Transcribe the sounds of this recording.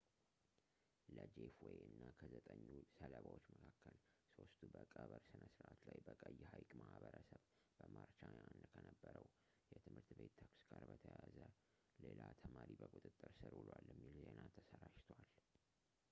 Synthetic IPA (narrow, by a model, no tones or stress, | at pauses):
ləd͡ʒefweɔjɨnːakʰəzət̪ʼəɲːusələβawot͡ʃːməkʰakʰːəlso̞st̪ʰubəkʼəβəɾsɨnəsɾʔat̪lajbəkʼəjːhajkʼmahbəɾəsəβ | b̥əmaɾt͡ʃaand̪kʰənəbːəɾəw | jɛt̪ʰɨmhɨɾt̪be̞t̪ːʰaksɡaɾbət̪ʰəjazə | lelat̪ʰəmaɾibəkʼut̪ʼɨt̪ʼːɨɾsɨɾhulwalːəmːilzenat̪ʰəsəɾaʃt̪ʰwal